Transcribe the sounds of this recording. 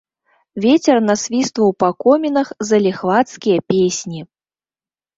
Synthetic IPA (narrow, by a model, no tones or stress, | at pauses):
vʲet͡sʲɛrnɐsʲvʲist̪vɐwpakɔmʲinɐxzɐlʲɛxvat̪skʲijɐpʲesʲnʲi